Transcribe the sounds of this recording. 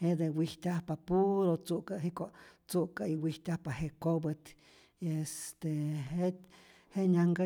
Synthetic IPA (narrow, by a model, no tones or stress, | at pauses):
heʔd̪ewiht̪ʲahpapuɾot͡sukaɦikot͡suʔkaiwiht̪ʲahpaheʔkobət̪ | est̪eɦe | heɲaŋɡa